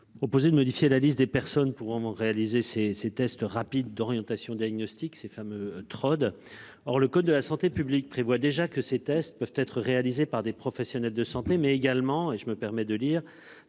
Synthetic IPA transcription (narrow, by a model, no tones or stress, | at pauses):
ɔpozed̪əmɔd̪ifjelalist̪̚d̪epɛʁsɔnpuvɑ̃ʁealizeseset̪ɛst̪ʁapid̪ːɔʁjɑ̃t̪asjɔ̃d̪jaɡnɔst̪iksefamøt̪χɔd̪ | ɔʁləkod̪̚ːəlasɑ̃t̪epyblik̚pχevwad̪eʒakəset̪ɛst̪̚pœvt̪ɛt̪χəʁealizepaʁd̪epχɔfɛsjɔnɛld̪əsɑ̃t̪emɛːɡalmɑ̃eʒəməpɛʁmɛd̪əliːʁ